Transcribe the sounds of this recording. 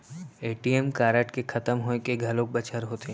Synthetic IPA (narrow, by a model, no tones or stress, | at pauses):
eːʈiemkaːɾəʈkekʰɐt̪əmɦoẽkeɡʱɐlõk̚bɐt͡ʃʰəɾɦoːt̪e